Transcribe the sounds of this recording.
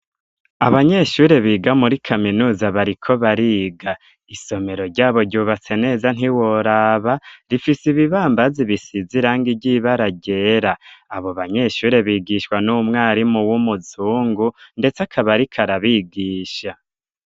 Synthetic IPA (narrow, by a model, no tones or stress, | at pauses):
aβaɲe̞ʃuːɾe̞βiːɡamuɾikʰaminuːzaβaɾikʰo̞βaɾiːɡa | iso̞me̞ɾo̞ɾɟaːβo̞ɟuːβat͡se̞ne̞ːzan̥hiwoɾaːβaɾifisiβiβaːmbaziβisiziɾaːŋɡiɟiβaɾaɟe̞ːɾaːβo̞βaɲe̞ʃuːɾe̞βiːɡiʃwanumŋaːɾimuwumuzuːŋɡunde̞t͡sakʰaβaɾikʰaɾaβiɡiːʃa